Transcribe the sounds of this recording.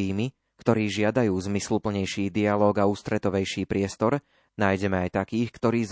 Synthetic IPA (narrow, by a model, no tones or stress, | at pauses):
iːmi | kt̪ɔɾiːʒɪad̪ajuːzmislupl̩ɲɛjʃiːd̪ialɔːɡauːst̪ɾɛt̪ɔʋɛjʃiːpɾɪɛst̪ɔɾ | naːjɟɛmɛajt̪akiːxkt̪ɔɾiːz